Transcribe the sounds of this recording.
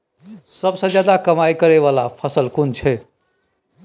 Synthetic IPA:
səbsə̃d͡ʒjad̪akəmaikəɾeʋalapʰəsəlkunt͡ʃʰe

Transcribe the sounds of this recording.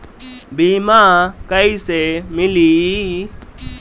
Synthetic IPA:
bimakaisɛmɪli

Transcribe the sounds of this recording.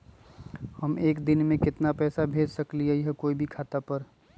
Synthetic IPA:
hɐmeːkd̪ɪnmẽkɪt̪napɛːsabʱeːd͡ʒsɐkliaiɦɛkoːibʱikʰaːt̪apəɾ

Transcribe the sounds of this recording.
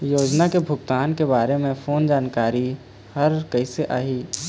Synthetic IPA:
joːd͡ʒnakebʱʊkt̪aːnkebaːɾemẽfʰoːnd͡ʒaːnkaːɾi | hɐɾkɐiseʔaːɦiː

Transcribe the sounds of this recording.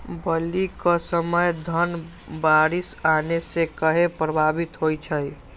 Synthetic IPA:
bəlikɔsəməjd̪ʱən | baɾisanesẽkəɦepɾəbʱabit̪ɦojt͡ʃʰəj

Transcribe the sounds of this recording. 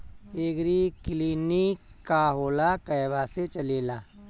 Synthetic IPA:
eːɡɾikliːnik | kːaɦoːlakəjʋaːset͡ʃɐleːlaː

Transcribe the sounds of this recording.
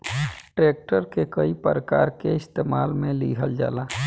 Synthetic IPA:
ʈɾeːk̚ʈəɾkekəipəɾəkaːɾkeɪst̪eːmaːlmẽlḭːɦəld͡ʒa̰ːlaː

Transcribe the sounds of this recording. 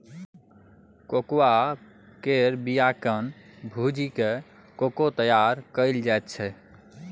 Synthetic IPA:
kokwa | keɾbijakənbʱud͡ʒike | kokot̪əjaɾkəɪld͡ʒajt̪̚t͡ʃʰɛ

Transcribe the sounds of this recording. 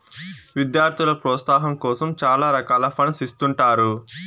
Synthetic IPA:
ʋid̪jaːɾt̪ʰilɐpɾɔːt̪saːɦɐmkɔːsɐmt͡ʃaːlaːɾɐkaːlɐpʰɐɳsist̪uɳʈaːɾu

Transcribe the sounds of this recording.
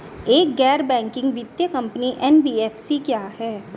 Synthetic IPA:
eːk̚ɡɛːɾbɛ̃ːŋkɪ̃ŋɡʋɪd̪jəkɐ̃mpniʔɛnbiːɛːfʰsikjaːɦɛː

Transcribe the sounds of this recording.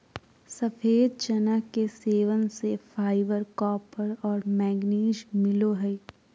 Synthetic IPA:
səfʰeːd̪̚d͡ʒɐnəkeseːʋənsefʰaːɪʋəɾkɔːpʰəɾɔːɾmɛːɡniːd͡ʒmɪloɦɛ

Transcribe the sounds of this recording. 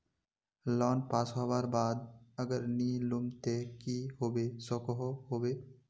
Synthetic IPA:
lɔnpaːsɦɔbaɾbaːd̪əɡəɾnilʊmt̪ekihobesɔkɔɦoɦobe

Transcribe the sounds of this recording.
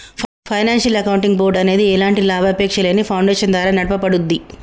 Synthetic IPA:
pʰɐjnaːnʃɐlɐkɐwuɳʈiŋɡboɾɖɐne̞ːd̪iɛlaːɳʈilaːbɐpɛːkʂɐleːnipʰɐwɳɖeːʂɐnd̪ʋaːɾaːnɐɽɐpɐpɐɽund̪i

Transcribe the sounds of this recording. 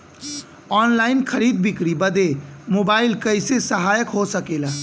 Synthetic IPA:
ɔːnlaɪnkʰəɾid̪̚bikɾibəd̪emobaɪlkəɪsesəɦajəkɦosəkela

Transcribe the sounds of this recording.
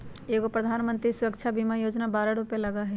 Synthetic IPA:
eːkopɾɐd̪ʱaːnmə̃nt̪ɾisʊɾəkt͡ʃʰabimajoːd͡ʒnabaːɾaɽupelɐɡaɦɛ

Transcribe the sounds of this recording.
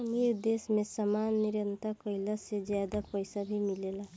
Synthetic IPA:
mid̪esmẽsamanːiɾjənt̪akəilased͡ʒjad̪apəjsabʱimilela

